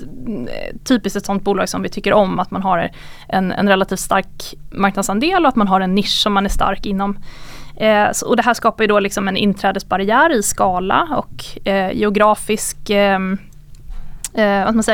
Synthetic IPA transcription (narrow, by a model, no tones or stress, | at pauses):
t̪ʰyːpɪst̪ɛt̪sɔnt̪̚buːlɑːɡsɔmvɪt̪ʰʏkːəɾʔɔmːat̪man̪ɦaɾ | ʔɛ̰nɛ̰nɾɛlːat̪ʰiːft̪st̪aɾkmaɾk̚nad̪sand̪eːlɔat̪manɦaɾɛnːɪʂːɔmːanæʂt̪a̰ɾkɪnːɔm | sɔd̪ɛɦæːʂkɑːpaɾjɵd̪ɔlɪksɔmɛnɪ̰nːt̪ʰɾɛːd̪əsbaɾɪjæːɾɪskɑːla̰ɔ̰kjɛ̰ʊɡɾɑːfɪsk | vaskamansɛj